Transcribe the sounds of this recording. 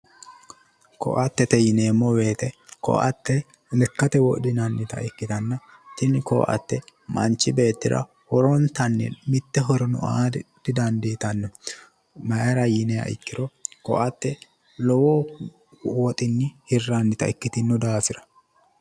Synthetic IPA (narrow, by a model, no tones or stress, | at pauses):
kɔ̰ʔɐt̪ːɛt̪ɛjɪneːmːɔwe̞ːt̪ɛkɔ̰ʔɐ̰t̪ːɛ | lɛkːɐt̪ɛwɔd̪ɪnɐnːɪt̪ɐ̰ʔɪkːɪt̪ɐnːɐ | t̪ɪnɪkɔ̰ʔɐ̰t̪ːɛmɐ̰nt͡ʃːɪbe̞ːt̪ːɪɾɐ̰ | hɔɾɔnt̪ɐnːɛ̰mɪt̪ːɛɦɔɾɔnʊ̰ʔaːd̪̥ɪd̪ɐnd̪it̪ɐnːɐ | mɐjɐɾɐjɪnɛjɐ̰ʔɪ̰kːɪɾɔkɔ̰ʔɐt̪ːɛ | lɔwoː | wɔt̪ʼɪnːɪhɪrːanːɪt̪ɐʔɪkːɪt̪ɪnːʊd̪aːfɪɾɐ̥